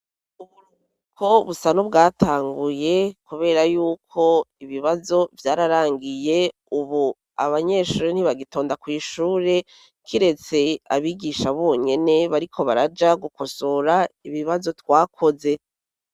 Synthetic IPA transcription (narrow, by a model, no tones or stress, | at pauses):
uβuɾu | kʰo̞βusanubɡaːtʰaːŋɡuje̞kuβe̞ːɾajuːkʰo̞iβiβazo̞vjaːɾaɾaːŋɡije̞ | uβu | a̰βaɲe̞ʃuːɾen̥iβaɡito̞ːndakwiːʃuːɾe̞ | kʰiɾe̞t͡se̞a̰βiːɡiʃaβoːɲe̞ne̞βaɾikʰo̞βaɾad͡ʒaɡukosoɾaiβiβazo̞twaːkʰo̞ze̞